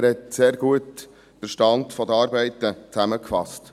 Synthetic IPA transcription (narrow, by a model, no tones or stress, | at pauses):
ɾhɛt̪seːɾɡ̥uət | b̥əʃtɑntfɔd̪əɑːɾbɛɪt̪ət͡sæməkfɑ̰st